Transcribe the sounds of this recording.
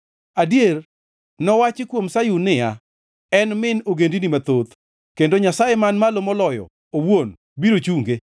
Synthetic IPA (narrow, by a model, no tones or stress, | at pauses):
adjer | nɔwat͡ʃɪkwomsajunɪja | ɛnmɪnoɡendinimat̪ot̪ | kendoɲasajemanmalomɔlɔjɔ̰ | owon | biɾot͡ʃuŋɡe